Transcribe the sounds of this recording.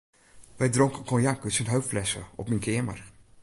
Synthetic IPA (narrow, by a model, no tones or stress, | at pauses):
ʋɛjdroŋkənkɔnjaŋkəsənɦøɥfflɛsə̰ɔ̰pminkʰɪəmə̰r